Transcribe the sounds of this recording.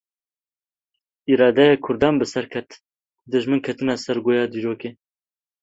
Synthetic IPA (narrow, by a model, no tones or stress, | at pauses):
iɾɑːd̪ɛjekʰʊɾd̪ɑːnbɨsɛɾkʰɛt̪ | d̪ɨʒmɨnkʰɐt̪ɨnɑːsɛɾɡoːjɑːd̪iːɾoːkeː